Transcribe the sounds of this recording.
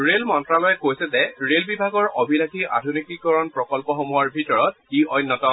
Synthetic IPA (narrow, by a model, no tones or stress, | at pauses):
ɹelmɔntɹalɔjɛkojsɛzɛɹelbibʱaɡɔɹʔɔbʱilakʰia̰dʱunitikɔɹɔnpɹɔkɔlpɔxomuaɹbʱitɔɹɔt̚iʔɔjnːɔtɔ